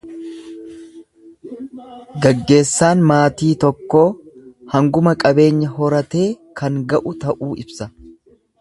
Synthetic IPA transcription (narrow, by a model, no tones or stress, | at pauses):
ɡɐɡːe̞ːsːaːnmaːt̪iːt̪ɔkːo̞ːhɐŋɡʊmɐkʼɐbe̞ːɲːɐɦɔɾɐt̪e̞ːkʰɐŋɡɐʔʊt̪ɐʔuːɪbsɐ